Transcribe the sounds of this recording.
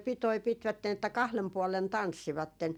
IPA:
pitoi pitʋætːen etːæ kɑhlem puɔlen tɑnsːiʋɑtːen

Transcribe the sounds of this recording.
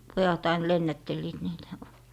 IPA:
pojɑt ɑin lenːætːelːiːt niːtæ̥

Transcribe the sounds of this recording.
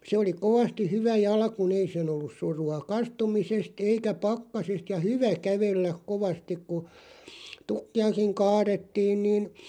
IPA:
se oli koʋɑsti hyʋæ jɑlkun ei sen olːus suruɑ kɑstumisest eikæ pɑkːɑsest jɑ hyʋæ kæʋelːæk koʋɑstik ku tukːiɑkiŋ kɑːɾetːiːn niːn

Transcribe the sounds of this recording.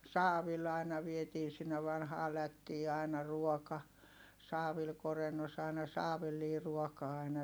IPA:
sɑːʋil ɑinɑ ʋietiː sinːe ʋɑnhɑː lætːiː ɑˑi̯nɑ ruɔkɑ sɑːʋil korenːos ɑi̯nɑ sɑːʋilːiː ruɔkɑː ɑinɑ

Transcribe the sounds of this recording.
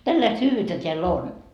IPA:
tælːæist hyːʋyːtːæ teælː on

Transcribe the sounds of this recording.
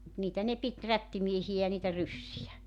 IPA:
mut niːtæ ne pit rætːimiehij̆æ jɑ niːtæ rysːijæ

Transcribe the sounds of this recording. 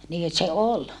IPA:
niː se ol

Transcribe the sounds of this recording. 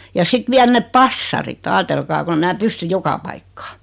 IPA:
jɑ sit ʋiæl nep pɑsːɑrit ɑːtelkɑː kon e mæː pysty jokɑ pɑikːɑ̥ː

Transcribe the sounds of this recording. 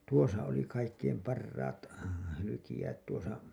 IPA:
tuosɑ oli kɑikːeim pɑrːɑːt hylykijæːt tuosɑ

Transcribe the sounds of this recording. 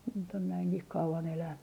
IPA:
nyt on næiŋkih kɑuʋɑn elænːy

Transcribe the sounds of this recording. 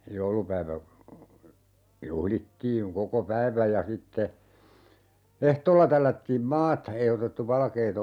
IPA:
joulupæiʋæ juhlitːiːŋ koko pæiʋæj jɑ sitːe ehtoːlːɑ tælːætːiːm mɑːtɑ ei otetːu ʋɑlkeːt

